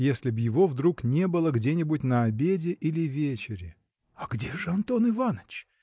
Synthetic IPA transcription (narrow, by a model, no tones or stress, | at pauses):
jesʲlʲɪbjɪvo̞vd̪ɾuknʲe̞bɨlˠəɡdʲenʲɪbʊt̚ʲnəɐbʲedʲɪʔilʲɪvʲet͡ɕɪɾʲɪ | ɐɡdʲeʐɨɐnt̪o̞nɨvanət͡ɕ